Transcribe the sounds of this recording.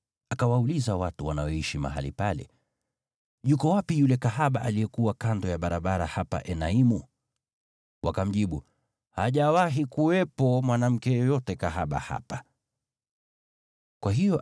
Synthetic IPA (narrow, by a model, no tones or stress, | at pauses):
akawaulizawatuwanaɔiʃima̰ɦa̰lḭpalɛ̰ | ʄukɔwapijulɛkaɦaɓaʔalijɛkuwakandɔjaɓaɾaɓaɾahapa̰ʔɛnaimu | wakam̩ʄiɓu | haʄawaɦikuwɛpɔmwanam̩kɛjɔjɔtɛkaɦaɓa̰ha̰pa | kwaɦijɔ